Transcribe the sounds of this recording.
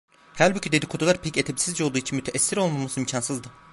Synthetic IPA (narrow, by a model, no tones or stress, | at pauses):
hælʲbycʰyd̪e̞d̪ikʰod̪ʰulˠaɾpʰɛcet̪ʰebisizd͡ʒɛo̞lˠd̪uːit͡ʃʰinmyt̪ʰeʔɛsːiɾo̞lˠmamasɯimcʰansɯzd̪ɯ